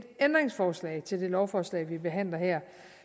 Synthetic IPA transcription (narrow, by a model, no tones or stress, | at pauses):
d̥end̥ʁeŋsfɒːslɛ̰ːɪt͡sʰe̝ld̥e̝lɒʊfɒːslɛ̰ɪʋib̥e̝ɦæn̰lɐhɛɐ̰